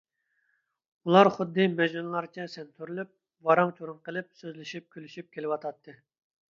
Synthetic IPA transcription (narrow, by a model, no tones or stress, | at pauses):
ulˠɑɾχʊd̪ːɨmɛʒnunlˠɑɾt͡ʃʰɛsɛnt̪ʰyɾylyp̚ | vɑɾɑŋt͡ʃʰoɾunqəlˠɨp̚søzlɪʃip̚kʲʰylyʃip̚kʲʰelɪwɑt̪ʰɑt̪ʰːɨ